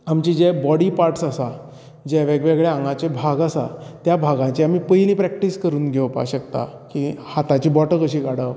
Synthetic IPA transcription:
amt͡ɕid͡ʑebɔɽiːpaɾʈsasa | d͡ʑeʋeɡʋeɡɭeãŋɡãt͡ɕebʱaɡasa̰t̪jabʱaɡãt͡ɕeamiːpəjlĩːpɾɛk̚ʈiːskəɾuːnɡʱeʋəpa̰ɕəkt̪a̰kihat̪at͡ɕiːbɔʈəkəɕiːkaɽə

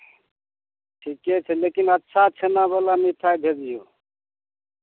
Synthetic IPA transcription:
ʈʰikːɛt͡ʃʰɛlekinətːʃʰat͡ʃʰenabəlamit̪ʰajbʱediju

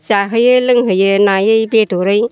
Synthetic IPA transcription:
saɦɯjɯlɯŋɦɯjɯnajɯjbetoɾɯj

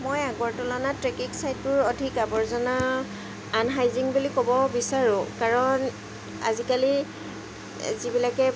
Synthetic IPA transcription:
mojaɡɔɹtɔlɔnatɹekiksajtʊɹodʱikabɔɹzɔnaː | nɦajziŋbulikobɔbisaɹʊ̃kaɹɔn | a̰zikali | zibilakɛ

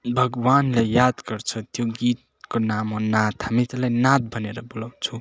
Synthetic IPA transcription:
bʱʌɡwanlejjad̪ɡʌrt͡sʰʌt̪joɡit̪̚konamɦonat̪hamit̪ʌlajnat̪̚bʱʌneɾʌbolaw̃t͡sʰũ

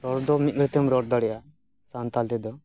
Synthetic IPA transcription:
ɾɔɽd̪ɔmit̪̚ɡɾit̪emɾɔɽd̪ɔɽɛʔa | sant̪alt̪ɛd̪ɔ

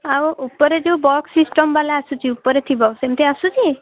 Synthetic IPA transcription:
auʔupɔɾed͡ʒebɔksisʈɔmbalaasut͡ʃʰiupːɔɾet̪ʰibɔsemt̪ʰeasut͡ʃi

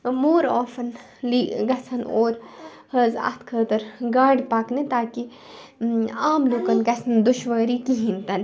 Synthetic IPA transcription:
moːɾoːfɐn | liːɡɐsʰɐnoːɾ | hɐza̰t̪ʰkʰəːt̪ɐɾɡaːɽpaːknit̪aːki | aːmloːkɐnɡɐsʰɐnd̪ʊʃʋɐɾiːkiɦĩnt̪ɐn

